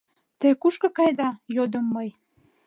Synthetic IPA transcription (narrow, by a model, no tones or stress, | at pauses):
t̪ekuʃkɤ̆kɑjd̪ɑjod̪əmːəj